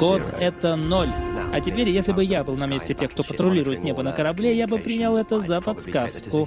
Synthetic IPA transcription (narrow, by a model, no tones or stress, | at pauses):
ot̪ɛt̪ənolʲɐtʲɪpʲeɾʲjesʲlʲɪbɨjabɨlˠnɐmʲesʲtʲɪtʲexk̚t̪o̞pət̪ɾʊlʲiɾʊjɪt̪nʲe̞bənəkəɾɐblʲejabɨpɾʲinʲalˠɛt̪əzəpɐt̪skaskʊ